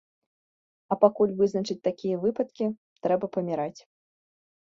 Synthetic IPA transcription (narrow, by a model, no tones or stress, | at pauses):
ɐpakulʲvɨznɐt͡ʂɨt͡sʲt̪akʲijɐvɨpɐt̪kʲi | t̪ɾɛbɐpɐmʲiɾat͡sʲ